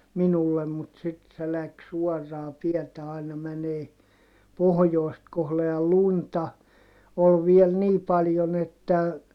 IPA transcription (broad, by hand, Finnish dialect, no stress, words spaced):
minulːem mut sit se læks suɔrːɑː tiɛtæ ɑinɑ mæneː pohŏjoˑi̯st kohle jɑ luntɑ ol ʋiel niː pɑljon etːæ